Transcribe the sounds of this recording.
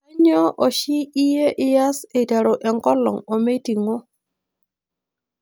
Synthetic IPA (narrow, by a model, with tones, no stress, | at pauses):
a˦ɲɔ˦ʔɔ˨ʃɪ˦i˦je˦ʔɪ˦ja˦se˨ta˨ɾo˨ʔɛ˨ŋkɔ˦lɔ̰˨ŋo˨me˦ti˨ŋɔ˦